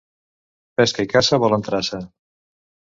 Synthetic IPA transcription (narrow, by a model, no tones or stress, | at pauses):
pɛskəikasəβɔlənt̪ɾasə